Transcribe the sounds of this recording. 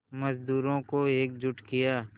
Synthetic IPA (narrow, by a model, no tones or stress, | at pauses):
məzd̪uːɾõkoeːk̚d͡ʒʊʈkɪjaː